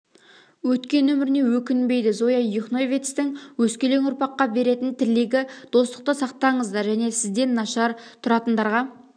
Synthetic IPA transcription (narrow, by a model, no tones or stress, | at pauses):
wɵt̪kʲe̞nːɵmɪɾɪne̞wɵkʲɪnbe̞jd̪ɪzojɑjuχnovʲet̪st̪ɪŋwɵskʲe̞le̞ŋʊɾpɑqːɑbe̞ɾe̞t̪ɪnt̪ʰɪɾleɡʲɪd̪̥o̞st̪ə̥q̚t̪əsɑq̚t̪ɑɴəzd̪ɑɾʒæne̞sɪzd̪e̞nːɑʃɑɾt̪ʰʊɾɑt̪ənd̪ɑɾʁɑ